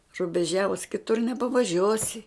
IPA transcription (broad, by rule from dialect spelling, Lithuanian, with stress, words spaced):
rʊbʲɛˈʒʲæːʋʊs kʲɪˈtʊr nʲɛpɐʋɐˈʒʲuɔsʲɪ